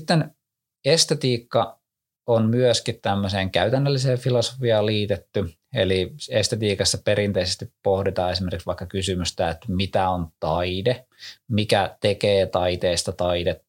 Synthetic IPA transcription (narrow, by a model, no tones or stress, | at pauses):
it̪ːen | est̪et̪iːkːɑ | onmyøskit̪t̪æmːøseːŋkæyt̪ænːølːiseːʋfiloso̥fiɑːliːt̪et̪ːy | ḛliest̪et̪iːkɑsːɑpeɾint̪eisest̪ippohdit̪ɑːesimerkiksʋɑikːɑkysymyst̪æet̪mit̪æont̪ɑide | mikæt̪ekeːt̪ɑit̪eːst̪ɑt̪ɑidet̪ːu